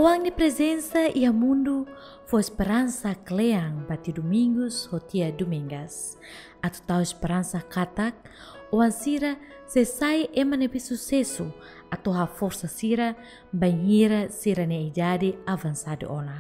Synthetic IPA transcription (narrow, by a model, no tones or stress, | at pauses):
ɔwaŋnipɾɛzɛnsaʔiamundu | fɔɛspɛɾansaklɛaŋbat̪idumiŋɡushɔt̪iadumiŋɡas | at̪ut̪auɛspɛɾansakat̪ak̚ | ɔwaŋsiɾa | sɛsaiʔɛmanepisusɛsu | at̪oɦafɔrsasiɾa | baiɲiɾasiɾaneid͡ʒadiavansadḛʔɔna